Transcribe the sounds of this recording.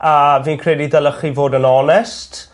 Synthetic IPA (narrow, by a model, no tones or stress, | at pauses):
aviːnkʰrɛdidɛlˠəχivoːdənɔnɛst